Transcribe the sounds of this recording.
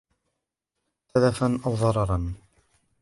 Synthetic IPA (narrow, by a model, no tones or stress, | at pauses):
θaðafanʔawðˤɑɾˤɑɾˤɑn